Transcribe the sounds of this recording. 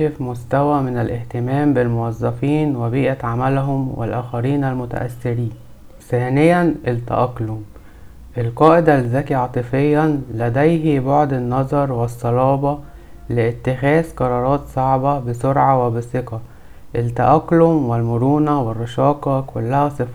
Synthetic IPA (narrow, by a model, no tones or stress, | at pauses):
efmʊst̪æwæmɪnælʔɪht̪ɪmæːmbɪlmowɑzˤːɑfiːnwebiːʔæʕamælɦʊmwḛlʔæːxæɾiːnælmʊt̪æ̰ʔæ̰sːɪɾiːn | θæːnɪjːænʔelt̪ːæ̰ʔɑqlʊm | ʔelqɑːʔɪd̪ælzæːkiʕɑt̪ˤɨfejːænlæd̪æjɦiboʕd̪enːɑzˤɑɾˤwesˤːɑlɑːbɑ | lɪʔɪt̪ːɪxæːzqɑɾˤɑːɾˤɑːt̪sˤɑʕbɑbɪsoɾʕɑwebɪseqɑ | ʔɪlt̪æʔæklʊmwɪlmʊɾuːnæwɪrˤːɑʃɑːqɑkʊlːæhæsˤef